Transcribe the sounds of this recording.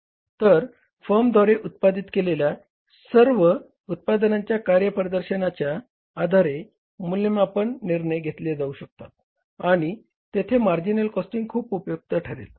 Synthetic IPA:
t̪əɾ | fəmd̪ʱɔɾeʔut̪̚pad̪it̪kelelja | səɾʋə | ut̪̚pad̪ənãɲt͡ɕjakaɾjəpɾəd̪əɾɕənat͡ɕjaː | d̪ʱaɾe | mulːimapəɳːiɾɳəjɡʱet̪led͡zauɕək̚t̪at̪̚ | aɽ̃i | t̪et̪ʰemaɾd͡ʑinəlkɔsʈiŋɡkʰuːpupjuk̚t̪əʈʰəɾḛl

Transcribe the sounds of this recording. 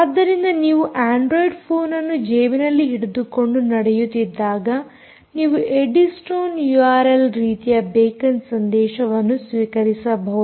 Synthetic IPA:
ad̪ːɐɾind̪ɐniːʋuʔaːɳɖɾoːjɖpʰoːnɐnːud͡ʒeːminɐlːiɦiɽud̪uko̞ɳɖunɐɽɛjut̪ːid̪ːaːɡɐ | niːʋuʔeɖisʈoːnjuaːɾelɾiːt̪ijɐbeːkɐnsɐnd̪ɛːʃɐʋɐnːusʋiːkɐɾisɐbʱɐʋu

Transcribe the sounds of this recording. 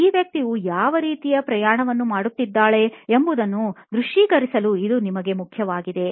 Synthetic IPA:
iːʋjɐk̚t̪iʋujaːʋɐɾiːt̪ijɐpɾɐjaːɳɐʋɐnːumaːɽut̪ːid̪ːaːɭe̞embud̪ɐnːud̪ɾuʂiːɡɐɾisɐluid̪unimɐɡe̞mukʰjɐʋaːɡid̪e̞

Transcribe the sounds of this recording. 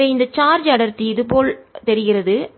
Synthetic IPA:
eɪnd̪ɐt͡ʃaːɾd͡ʒɐɽɐɾt̪ːiɪðɯpoːlt̪ɛɾɪɣɪrɐðɯ

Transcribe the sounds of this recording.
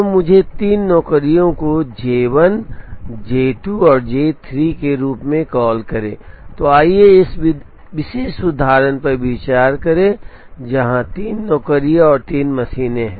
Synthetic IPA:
t̪omʊd͡ʒʱet̪iːnːɔːkəɾijõkod͡ʒeːʋənd͡ʒeːʈuɔːɾd͡ʒeːt̪ʰɾikeɾuːpmẽkɔːlkɐɾḛ̃ːt̪oaːieɪsɪ | ʋɪʃeːʃʊd̪ʱaːɾənpɐɾʋit͡ʃaːɾkɐɾẽ | d͡ʒɐɦãt̪iːnːɔːkəɾijɔːɾt̪iːnmɐsiːneɦɛ̰̃ː

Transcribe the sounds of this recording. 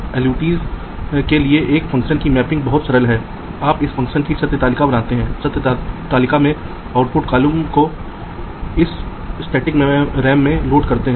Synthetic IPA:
ɛːljuːʈiːz | kelieʔeːkfɐ̃ŋkʃənkimɛːpɪ̃ŋɡbɐɦʊt̪sɐɾəlɦɛː | aːpɪsfɐ̃ŋkʃənkit͡ʃɐt̪ːət̪aːlɪkabɐnaːt̪eɦɛ̃ːt͡ʃɐt̪t̪aːlɪkamẽ | aːʊʈpʊʈkaːlumko | ɪs | sʈɛːʈɪkmẽɾɛːmːẽloːɖkɐɾt̪eɦɛ̃ː

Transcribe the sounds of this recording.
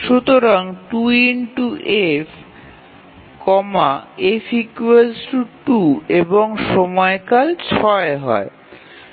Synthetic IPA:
ʃut̪oɾaŋʈuinʈuʔefʰ | kɔmaefikuelʈuʈueboŋʃɔmɔekalt͡ɕʰɔeɦɔ̰e

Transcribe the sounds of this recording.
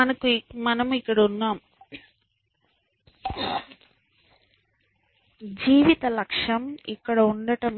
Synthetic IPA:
ɐnɐkumɐnɐmikːɐɽɐunːaːm | d͡ʒiːʋit̪ɐlɐkʂɐmḭkːɐɽɐuɳɖɐʈɐm

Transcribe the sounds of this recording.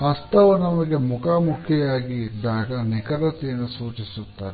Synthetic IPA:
ɐst̪ɐʋunɐmɐɡe̞mukʰaːmukʰjɐjaːɡid̪aːɡɐnikɐɾɐt̪ijɐnːusuːt͡ʃisut̪ːaːɾe

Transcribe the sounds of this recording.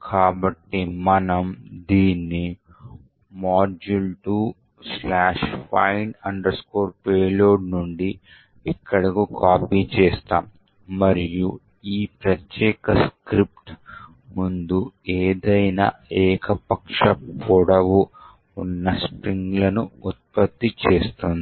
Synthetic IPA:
kʰaːbɐʈːimɐnɐmd̪iːnːi | maːɾd͡ʒulʈuː | slaːʂpɐ̰jnɐɳɖɐɾskoːɾpeːloːɖnuɳɖi | ɛkːɐɽɐkukʰaːpiːt͡ʃɛːst̪aːmː | ɐɾiju | iːpɾɐt̪jɛːkɐskɾip̚ʈ | mund̪ueːd̪ɐjnaɛːkʰɐpɐkʂɐpʰuɽɐʋu | unːɐspɾiŋɡlɐnuut̪̚pɐt̪ːit͡ʃeːst̪und̪i

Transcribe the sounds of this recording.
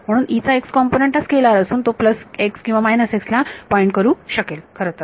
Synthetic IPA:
m̤əɽ̃uːnit͡saekskɔmponeɳʈat͡skelaɾəsuːnt̪opləsekskĩw̃ʋamajnəsekslapɔeɳʈ̚kəɾuːɕəkelkʰəɾət̪əɾ

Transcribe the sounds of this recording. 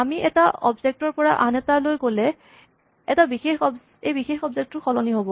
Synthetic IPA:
amiʔɛtaɔbzek̚tɔɹpɔɹaʔanɛtalojkolɛ | ɛtabixexɔb | ejbixexɔbzek̚tːʊxʰɔlɔniɦobɔ

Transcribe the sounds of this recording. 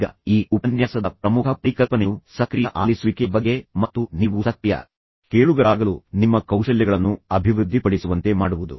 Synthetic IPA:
ɡɐ̰iːupɐnjaːsɐd̪ɐpɾɐmukʰɐpɾiːkɐlpɐneusɐkɾijɐʔaːlisuʋikebɐɡːe̞mɐt̪ːuniːʋusɐk̪jɐ̰ | keːɭuɡɐɾaːɡɐluːnimːɐkɐwʃɐljɐɡɐɭɐnːuɐbʱiʋɾud̪ʱːipɐɽisuʋɐnt̪e̞maːɽuʋud̪ṵ

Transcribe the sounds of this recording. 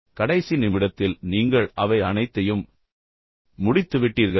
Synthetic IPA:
kɐɽɐɪsinɪmɪɽɐt̪ːɪlniːŋɡɐɭʔɐʋɐɪɐnɐɪt̪ːɐjɯm | ʊɽɪt̪ːɯʋɪʈːiːɾɣɐ

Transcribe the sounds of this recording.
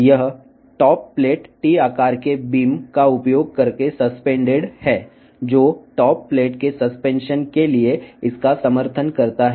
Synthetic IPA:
jɐɦ | ʈɔːpːleːʈʈiːaːkaːɾkebiːmkaʊpjoːɡ̚kɐɾkesɐspẽːɳɖɪɽhɛː | d͡ʒoːʈɔːpːleːʈkesɐspẽːnʃənkelieɪskasɐməɾt̪ʰənkɐɾt̪aɦɛ

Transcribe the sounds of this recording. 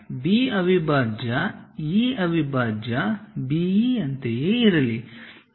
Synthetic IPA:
biːɐʋibʱaːd͡ʒɐiːɐʋibʱaːd͡ʒɐbiːɐnt̪ejeːiɾɐli

